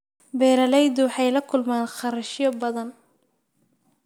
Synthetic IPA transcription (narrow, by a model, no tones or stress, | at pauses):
bɛːɾɐlɛjd̪ʊwɑħɑjlɐkʰʊlmaːnχɑɾɐʃjɔbɐðɐn